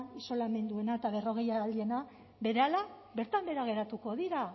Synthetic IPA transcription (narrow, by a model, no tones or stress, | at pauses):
iso̞lame̞nd̪ue̞naet̪aβe̞ro̞ɣ̞e̞jaːld̪ie̞na | be̞ɾeala | be̞ɾt̪ambe̞ɾaɣ̞e̞ɾat̪uko̞ðiɾa